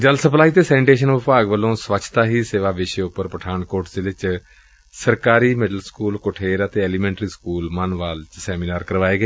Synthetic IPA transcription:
d͡ʒəlsəplaːiːt̪eːsɛːnɪʈeːʃ̬ənʋəpaːɡʋəlːõːsʋət͡ʃʰt̪aːɦiːseːʋaːʋɪʃeːʊpːəɾpəʈʰaːɳkoːɾʈʰd̪eːʋɪt͡ʃ | səɾkaːɾiːmɪɖəlskuːlkoʈʰeːɾət̪eːɛːliːmɛ̃ːɳʈɾiːskuːlmənʋaːlt͡ʃsɛːmiːnaːɾkəɾʋaːeːɡeː

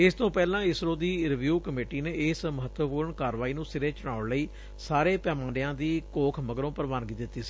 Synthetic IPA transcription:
ɪst̪õːpɛːlãːɪsɾoːd̪iːɾɪʋjuːkəmeːʈiːneːɪsməɦət̪wəpuːɾəɳkaːɾʋaːiːnũːsɪɾeːt͡ʃʊɽ̃aːʊɽləiː | saːɾeːpɛːmãːɖɪjãːd̪iːkoːkʰməɡəɾõːpəɾʋaːnɡiːd̪ɪt̪ːiːsi̥ː

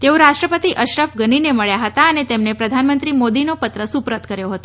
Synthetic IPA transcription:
t̪eoɾaʃʈɾəpət̪iʔəʃɾəfɡənineməɭjaɦət̪aənet̪emnepɾəd̪ʱanmənt̪ɾimod̪inopət̪ɾəsupɾət̪kəɾjoɦət̪õ

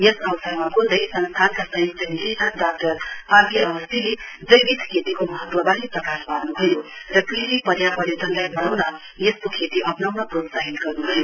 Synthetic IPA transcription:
jʌsʌwsʌɡmakod̪ʌjsʌnst̪ʰankasʌj̃st̪ʰʌnisiʈandak̚ʈʌrpakiʌwʌst̪ʰiled͡zʌjbid̪ʱkʰet̪ikomʌɦʌt̪wʌbaɦiprʌkasbʱarnuɦʌjorʌkriɾipʌɾjapʌɾet̪ʌnlajbʌɽawnʌ | jeskokʰet̪iʔʌpnʌwnʌprot̪saɦit̪ɡʌrnuɦʌjo

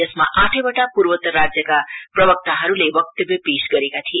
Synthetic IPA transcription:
ʌsmaʔaʈʰʌbʌʈapurwʌt̪ʌrad͡zjʌkaprʌbʌk̚t̪aɦʌɾulebʌk̚t̪ʌbjʌpesɡʌɾekat̪ʰie

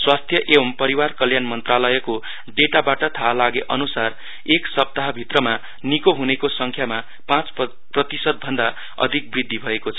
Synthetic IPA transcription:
swast̪ʰjʌʔewʌmpʌɾiwarkʌljanmʌnt̪ralʌjʌko | ɖeʈabaʈʌt̪ʰalaɡeʔʌnusar | eksʌp̚t̪aɦʌbʱit̪rʌma | nikoɦunekosʌŋkʰjama | pãt͡s | prʌt̪isʌd̪̚bʱʌnd̪a | ʌ̰d̪ʱik̚brid̪ʱːibʱʌekot͡sʰʌ

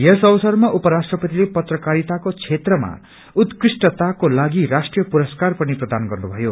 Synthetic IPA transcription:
jesʌwʌsʌrmaʔupʌɾasʈrʌpʌt̪ilepʌt̪rʌkaɾit̪akot͡sʰet̪rʌma̰ | ut̪krisʈʌt̪akolaɡirasʈrijʌpuɾʌskarpʌniprʌd̪anɡʌrnubʱʌjo

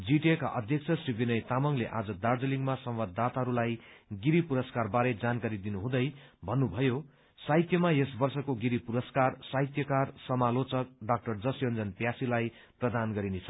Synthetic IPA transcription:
d͡ziʈekaʔʌd̪ʱjʌk̚t͡sʰʌsribʱinʌjt̪amʌŋleʔad͡zʌd̪ard͡zʌliŋɡmasʌmwad̪ːat̪aɦʌɾulajɡiɾipuɾʌskarbaɾed͡zankaɾid̪inuɦũd̪ʌjbʱʌnːubʱʌjo | sajt̪jʌmaesbʌrsʌkoɡiɾipuɾʌskarsaɦjt̪jʌkarsʌmalot͡sʌk̚ɖak̚ʈʌrd͡zʌsjʌnd͡zʌnpjasilaj | prʌd̪anɡʌɾinet͡sʰʌ̥

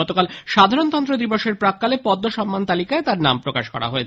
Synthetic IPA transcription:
ɔt̪okalʃad̪ʱaɾont̪ɔnt̪ɾod̪ɾiboʃeɾpɾakːalepɔd̪ːoʃɔmːant̪alikaet̪aɾnampɾoka̰ʃkɔ̰ɾa̰ɦoet͡ɕʰ

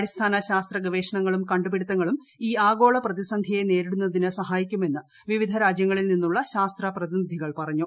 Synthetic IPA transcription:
ɐɽist̪ʰaːnɐɕaːst̪rɐɡʋe̞ːʂɐɳɐŋːɐɭumkɐɳɖupiɽit̪ːɐŋːɐɭum | iːaːɡo̞ːɭɐprɐðisɐnd̪ʱijene̞ːɾiɽunːɐðinɨsɐɦaːjikʲːume̞nːɨ | ʋiʋid̪ʱɐɾaːd͡ʑjɐŋːɐɭilninːuɭːɐɕaːst̪rɐprɐðinid̪ʱiɣɐɭpɐrɐɲːu

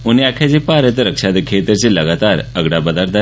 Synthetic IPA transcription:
uniakʰjad͡ʑepaɾət̪ɾəkʂad̪əkʰet̪əɾt͡ɕeləɡat̪aɾəɡɽabəd̪aɾt̪a

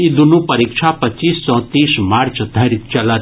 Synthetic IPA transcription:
id̪unũpɐɾikt͡ʃʰapət͡ʃiːsːɔ̃ːt̪iːsmaːɾt͡ʃd̪ʱəɾit̪̚t͡ʃɐla

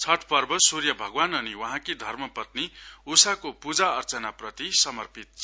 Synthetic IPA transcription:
t͡sʰʌʈʰpʌrbʌsurjʌbʱʌɡwanʌniwʌɦãkid̪ʱʌrmʌpʌt̪̚niusakopud͡zaʌrt͡sʌnaprʌt̪isʌmʌrpit̪̚

